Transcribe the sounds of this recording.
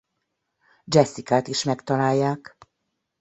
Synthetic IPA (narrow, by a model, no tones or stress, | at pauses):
d͡ʒɛsːikaːt̪iʃmɛkt̪ɒlaːjːaːk